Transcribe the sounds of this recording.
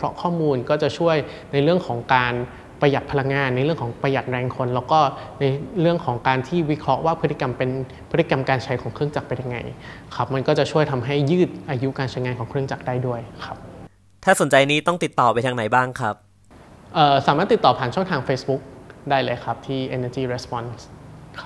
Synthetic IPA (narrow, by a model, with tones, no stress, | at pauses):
kʰɾɔ̰˦˥kʰɔː˥˩muː˧nkɔː˥˩t͡ɕa˨˩t͡ɕʰu˥˩əj | na˧jɾɯ˥˩əŋkʰɔː˩˦ŋkaː˧n | pɾa˧ja˨˩t̪̚pʰa˧la˧ŋːaː˧nːa˧jɾɯ˥˩əŋkʰɔː˩˦ŋpɾa˧ja˨˩t̪̚ɾɛː˧ŋkʰo˧nlɛː˦˥wkɔː˥˩na˧jɾɯ˥˩əŋkʰɔː˩˦ŋkaː˧nt̪ʰiː˥˩wi˦˥kʰɾɔ˦˥ʔwaː˥˩pʰɯ˦˥t̪ːi˧ka˧mpe˧npʰɯ˦˥t̪ːi˨˧ka˧mkaː˧nt͡ɕʰa˧jkʰɔː˩˦ŋkʰɾɯ˥˩əŋt͡ɕa˨˩k̚pa˧nja˧ŋːa̰˧j | kʰa˦˥p̚ma˧nkɔː˥˩t͡ɕa˨˩t͡ɕʰu˥˩əjt̪ʰa˧mɦa˥˩jːɯː˥˩t̪̚ʔaː˧ju˦˥kaː˧nt͡ɕʰa˧jŋaː˧nkʰɔː˩˦ŋkʰɾɯ˥˩əŋt͡ɕa˨˩k̚daː˥˩jdu˥˩əjkʰa˦˥p̚ | t̪ʰaː˥˩so˩˦nt͡ɕa˧jniː˦˥t̪ɔ˥˩ŋt̪i˨˩t̪ːɔː˨˩pa˧jt̪ʰaː˧ŋna˩˦jbaː˥˩ŋkʰɾa˦˥p̚ | ʔɤː˨˩saː˩˦maː˥˩t̪ːi˨˩t̪ːɔː˨˩pʰaː˨˩˦nt͡ɕʰɔ˥˩ŋt̪ʰaː˧ŋfeː˦˥sbu˦˥k̚daː˥˩jlɤː˧jkʰa˦˥p̚t̪ʰiː˥˩ʔe˧nəː˧t͡ɕiː˥˩ɾe˦˥spɔ˧˥nskʰa˦˥